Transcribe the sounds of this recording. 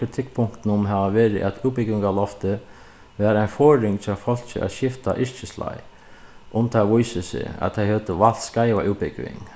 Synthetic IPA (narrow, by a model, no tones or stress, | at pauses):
ɾɪt̪ʰɪk̚pʰʊŋ̥kt̪nʊmɦɛʋaʋeːɾɪ̰ʔæt̪ʰuːwpɪkʋɪŋɡawlɔft̪ə | ʋæːɾaɪnfɔːɾɪŋt͡ʃʰafɔl̥t͡ʃɪ̰ʔæ̰ɕɪft̪a̰ʔɪʂt͡ʃɪsla̰j | ʊmt̪ʰaʋʊjsɪsɪ̰æ̰t̪t̪ʰajhøːt̪əʋal̥skaɪʋa̰ʔuːpɪkʋɪ̰ŋ